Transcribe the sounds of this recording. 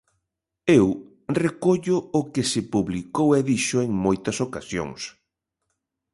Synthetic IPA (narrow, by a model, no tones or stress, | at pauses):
ew | rekoʎʊʊkɪsɪpuβlikoweðiʃʊeŋmojt̪ɐsokasjo̰ŋs